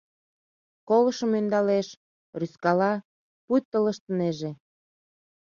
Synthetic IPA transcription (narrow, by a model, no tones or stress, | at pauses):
koləʃəmønd̪ɑleʃ | ryskɑlɑ | put̪ːələʃt̪əneʒe